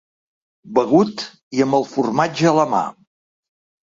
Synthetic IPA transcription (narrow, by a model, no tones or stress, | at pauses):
bəɣut̪ | iəmbəlˠfurmad͡ʒəːləma̰